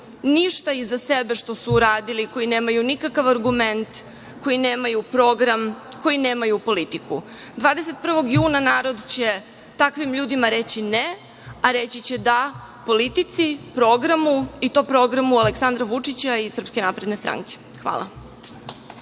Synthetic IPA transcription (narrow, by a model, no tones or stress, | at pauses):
niʃt̪aizasebe̞ʃt̪o̞suːɾaːd̪iliko̞jineːmajunikakaʋaɾɡume̞nt̪ | ko̞jineːmajupɾo̞ɡɾamko̞jineːmajupo̞lit̪iku | d̪ʋaːd̪ese̞t̪̚pr̩ʋo̞ɡjuːnanaːɾo̞d̪t͡ɕe | t̪akʋimʎuːd̪imaɾet͡ɕine | aɾet͡ɕit͡ɕe̞d̪a | po̞lit̪it̪sipɾo̞ɡɾamuit̪o̞pɾo̞ɡɾamualeksand̪ɾaʋut͡ʂit͡ɕaisr̩pske̞napɾed̪ne̞st̪ɾa̰ŋke̥ | xʋa̰ːlˠa̰